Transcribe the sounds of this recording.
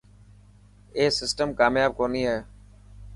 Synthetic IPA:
eːsɪsʈəmkaːmjaːb̚koːniːɦɛː

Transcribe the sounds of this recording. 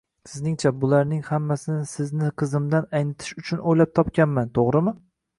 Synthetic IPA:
sɪznɪŋt͡ʃʰabʊlaɾnɪŋhamːasɪnɪsɪznɪqʰɨzɪmd̪anajnɪt̪ʰɪ̥ʃʊt͡ʃʰʊnʔojlap̚t̪ʰɒpkʲanmant̪ʰoʁɾɪmɪ

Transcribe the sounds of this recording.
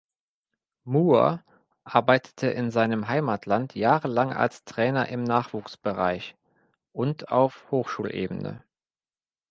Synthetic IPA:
muːɐ̰ | ʔaɐbaɪtʰə̥tʰəʔɪnzaɪnəmɦaɪmatʰlantʰjaːʁəlaŋʔa̰lstʁ̥ɛːnɐʔɪmnaːχv̥uːksb̥əʁa̰ɪç | ʔʊnta̰ʊfhoːxʃuːlʔḛːbənə̰

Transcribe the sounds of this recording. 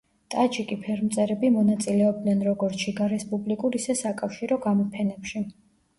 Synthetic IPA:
t̪ʼad͡ʒikʼipʰɛɾmt̪sʼɛɾɛbimɔnat̪sʼilɛɔb̚d̪nɛnɾɔɡɔɾt͡ʃʰiɡaɾɛspʼublikʼuɾisɛsakʼafʃiɾɔɡamɔpʰɛnɛpʃi

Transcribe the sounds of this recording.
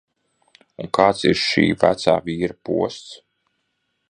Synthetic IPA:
uŋkaːt̪siɾʃḭːvæ̰t̪saːvʲiːɾəpṵɔst̪s

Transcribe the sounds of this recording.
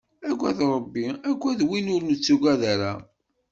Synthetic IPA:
æɡʷæðɾˤəbːiæɡʷːæðwinʊɾnət͡sːuɡæðæɾæ

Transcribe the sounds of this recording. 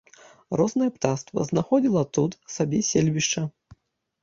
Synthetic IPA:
rɔznɐjɛpt̪ast̪vɐ̰znaxɔd͡zʲilˠɐt̪ut̪sabʲɛsʲelʲvʲiʂt͡ʂɐ

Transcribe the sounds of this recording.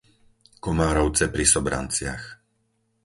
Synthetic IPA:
kɔmaːɾɔʊt͡sɛpɾisɔbɾa̰nt͡sɪax

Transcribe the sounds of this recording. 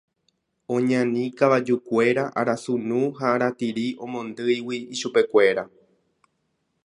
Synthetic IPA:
õ̞ɲãnĩkaʋad͡ʒukʷe̞ɾaʔa̰ɾasunũɦaːɾat̪iɾiʔõ̞mõ̞nd̪ɨjwiːʃupe̞kʷe̞ɾa

